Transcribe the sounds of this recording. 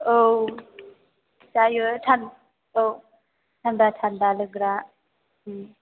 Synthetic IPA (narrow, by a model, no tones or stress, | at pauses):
ow | sajɯtʰan | ow | tʰand̪atʰand̪alɯɡɾa